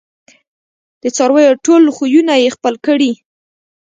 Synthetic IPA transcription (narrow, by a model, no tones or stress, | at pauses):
d̪̥ət͡sɑɾwəjoʈolxujunajexpəlkəɽi